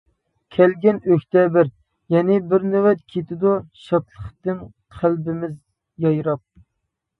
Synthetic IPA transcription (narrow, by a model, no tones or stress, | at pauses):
kʲʰɛlɡʲɛnøkʲt̪ɛbɪɾ | jɛnɪbɪɾnewɛt̪kʲʰet̪ɪd̪uʃɑt̪lˠəχt̪ɨŋ | qʰælbɪmɪz | jɑjɾɑp̚